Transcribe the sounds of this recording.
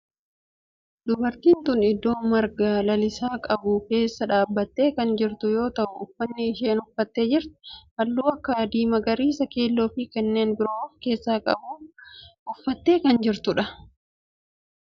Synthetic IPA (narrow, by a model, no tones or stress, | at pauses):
d̪̥ʊbɐɾt̪iːnt̪ʊnɪd̪ːo̞ːmɐɾɡalɐlɪsaːkʼɐbʊːke̞ːsːɐᶑaːbːɐt̪ːe̞ːkɐnd͡ʒɪɾt̪ʊjo̞ːt̪ɐʔʊʊfːɐnːɪːʃeːnʊfːɐt̪ːe̞ːd͡ʒɪɾt̪ʊ̥hɐlːuːɐkːɐd̪iːmɐɡɐɾiːsɐke̞ːlːoːfiːkɛnːe̞ːnbɪɾoːɔfke̞ːsːaːkʼɐ̰buː | ʊfːɐt̪ːe̞ːkɐnd͡ʒɪɾt̪ʊᶑɐ